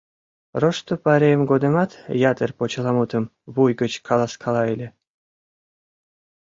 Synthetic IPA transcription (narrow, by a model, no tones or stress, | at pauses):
roʃt̪opɑɾʲemɡod̪ə̆mɑt̪jɑt̪ərpot͡ɕɤ̆lˠɑmut̪ə̆m | βujɡət͡ɕkʰɑlˠɑskʰɑlˠɑelʲe